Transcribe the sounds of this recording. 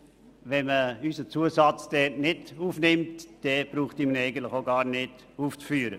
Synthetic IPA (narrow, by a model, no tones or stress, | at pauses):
ʋɛnməysət͡suəsɑt͡sd̥ɛːtnɪduːfnɪmtd̥ɛb̥ɾuːχtimnɛɪɡən̩tləɪχoɡɑːɾnɪd̥ | uːft͡sfyːɾə